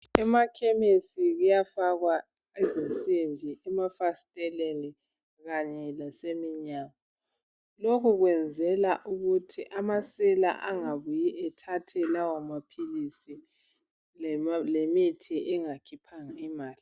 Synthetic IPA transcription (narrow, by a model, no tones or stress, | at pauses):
ɛmakʰemisiɣujafaɣwa | izinsʼiɱvʱiʔɛmafastʼɛleni | ɣaɲɛlasemiɲaːɣa | lokʰuɣwɛnd͡zʱɛlaʔuɣutʰiʔamasɛla̰ʔaŋaβujiʔɛtʰatʰɛlawamapʰilisi | lemitʰiʔɛŋakʰipʰaŋaimaːli